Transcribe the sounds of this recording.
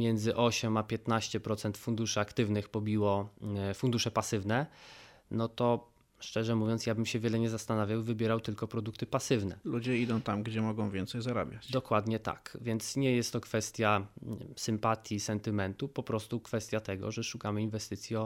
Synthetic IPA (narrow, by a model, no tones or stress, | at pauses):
mʲjɛnd̪zɘʔɔɕɛmapʲjɛt̪naɕt͡ɕɛpɾɔt̪sɛnt̪fund̪uʂɘakt̪ɘvnɘxpɔbʲiwɔfund̪uʂɛpasɘvnɛ | nɔt̪ɔ | ʂt͡ʂɛʐɛmuvʲjɔnt̪sjabɘmɕɛvʲjɛlɛɲɛzast̪anavʲjawvɘbʲjɛɾawt̪ɘlkɔpɾɔd̪uk̚t̪ɘpasɘvnɛ̰lud͡ʑɛid̪ɔ̃w̃t̪amɡd͡ʑɛmɔɡɔ̃w̃vʲjɛnt̪sɛjzaɾa̰bʲjat͡ɕd̪ɔkwad̪ɲɛt̪a̰kvʲjɛnt̪sɲɛjɛst̪ːɔkfɛst̪ʲjasɘmpat̪ʲjisɛnt̪ɘmɛnt̪upɔpɾɔst̪ukfɛst̪ʲjat̪ɛɡɔ̰ʐɛʂukamɘinvɛst̪ɘt̪sʲjiɔ